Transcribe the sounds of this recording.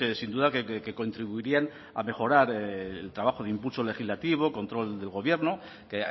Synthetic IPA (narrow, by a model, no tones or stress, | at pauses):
sind̪uðakekeko̞nt̪ɾiβuiɾian | a̰me̞xo̞ɾaɾeelt̪ɾaβaxo̞ð̞eimpulso̞le̞xizlat̪iβ̞o̞ko̞nt̪ɾo̞ld̪e̞lɣo̞βje̞ɾno | ke